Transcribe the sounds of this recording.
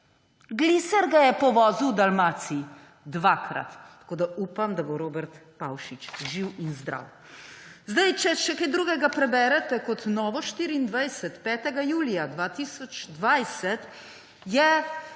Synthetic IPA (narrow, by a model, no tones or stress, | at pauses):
ɡlisɛɾɡajɛpɔʋɔːzuwd̪almaːt̪si | d̪ʋaːkɾa̰t̪ːḁkoːd̪auːpamd̪aboɾoːbɛɾt̪pa̰wʃit͡ʃʒiwinzd̪ɾa̰w | zd̪ajt͡ʃɛʃɛkajd̪ɾuːɡɛɡapɾɛbɛɾɛt̪ɛkɔt̪nɔːʋɔʃt̪iːɾiːnd̪ʋajsɛt̪pɛːt̪ɛɡajuːlijad̪ʋaːt̪iːsɔt͡ʃd̪ʋajsɛt̪ | jɛ